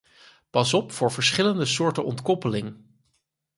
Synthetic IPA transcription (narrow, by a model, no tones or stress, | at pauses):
pɑsɔpfʊːɹvəɹsχɪləndəsʊːɹtənɔ̰ntkɔpəlɪŋ